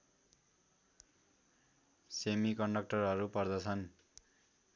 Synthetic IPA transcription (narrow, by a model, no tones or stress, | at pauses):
semikʌɳɖʌk̚ʈʌrɦʌɾupʌrd̪ʌt͡sʰʌn